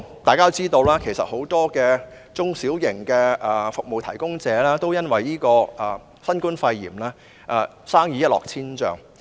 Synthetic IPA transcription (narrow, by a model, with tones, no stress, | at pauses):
t̪aː˨jkaː˥˧wt͡siː˥t̪o˧wlaː˥kʰe˨˩jsɐ˨t̚ho˨˥wt̪ɔː˥kɛː˧ | t͡sʊ˥ŋsiː˨˥wjɪ˨˩ŋkɛː˧ʔɛː˨˩fʊ˨k̚mo˨wt̪ʰɐ˨˩jkʊ˥ŋt͡sɛː˨˧˥lɛː˥t̪o˥wjɐ˥nwɐ˨˩jiː˥kɔː˧ʔɐː˨ | sɐ˥nkuː˥nfɐ˧jːḭː˨˩mlɛː˥ | ʔɛ˨˧ | saː˥ŋjiː˨˧jɐ˥t̚lɔ̰ː˨k̚t͡sʰiː˥nt͡ʃœ̰ː˨ŋ